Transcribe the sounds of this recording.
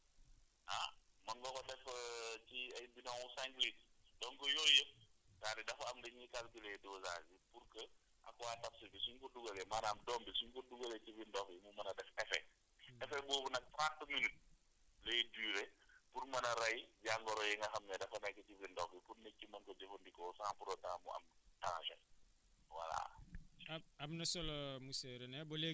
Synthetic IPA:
amɐŋɡɔkɔdɛfciɐjbinɔŋusaŋɡlit̚dɔŋkɔjɔːjətaːdidɐfɐɐmdɛɲɲikalɡilɛjduza̰ːɡipuɾkə | ʔɐ̰kɔwatɐfsibisuɲkɔduɡɐlɛmaːnaːmdɔmbisuɲkɔduɡɐlɛcivindɔfimumɐnɐdɛfɛfɛ̰ | ɛfɛbɔːbunɐk̚tɾantminit̚ | lejdyːɾɛpurmɐnɐɾɐjɟaŋɡɔɾɔjiŋɡɐxɐmɲɐdɐfɐnɛkːɐcivindɔfipuɾnekːimɐŋkɔd͡ʒɛfundikɔːsaːŋpuɾɔtaŋɐmṵɐ̰mtɐŋɐ̰ʃɛ̰ | wɐ̰la̰ɐɐmnɐsɔlɔmusɛɾɛnɛbɔle

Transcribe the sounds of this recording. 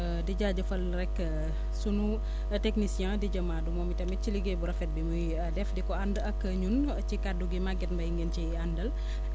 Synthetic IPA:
diɟaːɟɐfɐlɾɛkː | sunu | tɛknisjɛ̃diɟɐmaːdumɔːmitɐmɛciliɡɛbuɾɐfɛt̚bimuj | dɛfdikɔandɐkːəɲun | cikaduɡimaɡɛtmbɐjiŋɡənciandɐl

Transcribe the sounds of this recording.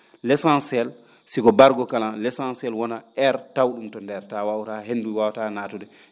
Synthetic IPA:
lɛsansɛl | siɡɔbaɾɡɔkalalɛsansɛlwɔnaɛɾtawɗumtɔndɛɾtawawutaɦenːduwawatanatuɗɛ

